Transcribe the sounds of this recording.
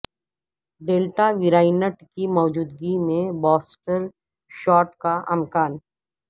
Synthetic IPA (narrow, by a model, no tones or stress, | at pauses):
ɖeːlʈaʋɪɾaːɪnəʈkimɔːd͡ʒuːd̪ɡimẽbɔːsʈəɾ | ʃɔːʈkaʔɐmkaːn